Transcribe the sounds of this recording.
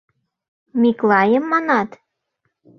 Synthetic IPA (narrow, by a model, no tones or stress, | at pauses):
miklɑjəmːɑnɑt̪